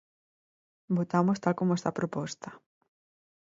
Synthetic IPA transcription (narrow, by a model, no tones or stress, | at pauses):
bot̪amost̪alkomoest̪apɾopɔst̪a